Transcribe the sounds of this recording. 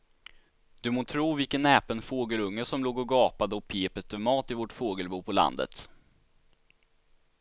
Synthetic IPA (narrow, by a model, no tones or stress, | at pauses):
d̪̥ɵmoːt̪ʰɾuːvɪlkənːɛːpənfoːɡəlɵŋːəʂɔmloːɡɔɡɑːpad̪əɔk̚pʰeːpətt̪əmɑːt̪ɪvɔʈfoːɡəlbuːpʰɔla̰nd̪ə̰t̪